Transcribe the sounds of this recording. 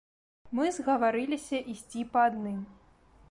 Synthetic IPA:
mɨzɣɐvaɾɨlʲisʲɐʔisʲt͡sʲipɐad̪nɨm

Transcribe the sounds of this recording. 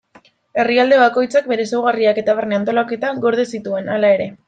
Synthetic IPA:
e̞riald̪e̞βako̞jt͡sak̚be̞ɾe̞sewɣ̞ariake̞t̪aβ̞erneant̪o̞lake̞t̪aɣo̞ɾðesit̪ue̞nalae̞ɾe̞

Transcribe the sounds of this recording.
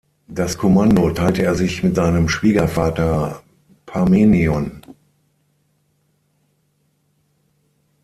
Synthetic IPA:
d̥askʰomandotʰaɪltəeːɐzɪçmɪtz̥aɪnəmʃv̥iːɡɐfaːtɐ | pʰameːniɔn

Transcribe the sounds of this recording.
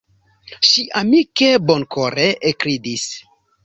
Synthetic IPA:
ʃiʔamike̞bonkoɾeʔekɾidis

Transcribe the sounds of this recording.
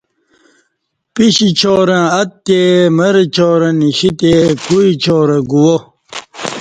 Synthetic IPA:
piɕit͡ɕʰoːɾɐ̃ɐt̪t̪ːemɐɾet͡ɕʰoːɾɐ̃niɕit̪ekuit͡ɕʰoːɾeɡuwo

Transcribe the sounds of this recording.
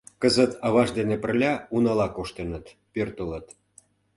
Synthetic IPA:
kəzət̪ɑβɑʒd̪enepə̆rlʲɑunɑlɑkoʃt̪enət̪ | pørt̪ələt̪

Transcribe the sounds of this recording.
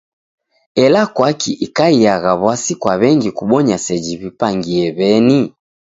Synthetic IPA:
ɛlakwakiʔikaijaɣaβwasikwaβɛŋɡikuɓɔɲasɛd͡ʒiβipaŋɡiɛβɛni

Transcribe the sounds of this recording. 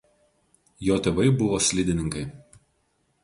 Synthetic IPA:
joːt̪ʲɛːʋɐɪbʊʋoːsʲlʲɪd̪ʲɪnʲɪŋkɐɪ

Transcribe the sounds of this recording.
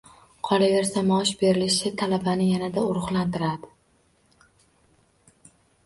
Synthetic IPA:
qʰɒlave̞ɾsamɒʃbe̞ɾɪlɪʃɪt̪ʰalabanɪjanad̪aʊɾʊχlˠant̪ɪɾad̪ɪ̥

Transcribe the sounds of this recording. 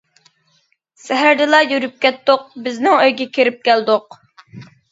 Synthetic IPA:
sɛɦæɾd̪ɪlˠɑjyɾyp̚kʲɛt̪ːʊq̚bɪznɪŋøjɡʲɛkʲʰeɾɪp̚kʲʰɛld̪ʊq̚

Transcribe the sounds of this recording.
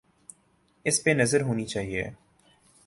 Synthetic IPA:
ɪspenɐzəɾɦoːnit͡ʃaːɦiḛː

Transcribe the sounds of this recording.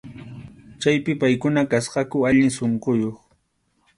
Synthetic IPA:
t͡ʃajpɪpajkʊnakasqɑkʊaʎɪŋsoɴqojoχ

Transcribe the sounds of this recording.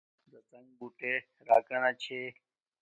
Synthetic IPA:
d̪ət͡səŋɡbuːʈeː | ɾa̰ːkənãːt͡ʃʰeː

